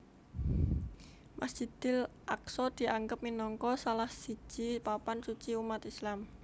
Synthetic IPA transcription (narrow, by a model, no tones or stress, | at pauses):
mʔasd̥ʒ̥i̤d̪̥ɪ̤l | ʔaksɔd̪̥i̤ʔaŋɡəp̚minɔŋkɔsalahsi̥ʒ̥i̤papansut͡ʃiumat̪islam